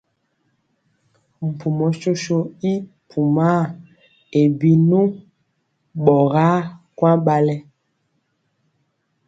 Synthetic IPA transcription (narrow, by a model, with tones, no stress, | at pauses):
m̩˨pʰu˨mɔ˨ʃo˦ʃo˦i˦ | pʰu˨ma˦ | e˨bi˦nu˦ | ɓɔ˨ɣa˦kwa˦ɓa˦lɛ˦